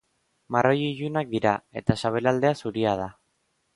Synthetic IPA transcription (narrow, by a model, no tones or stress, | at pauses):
maro̞jiʝunak̚d̪iɾae̞t̪asaβ̞e̞lald̪e̞asuɾiað̞a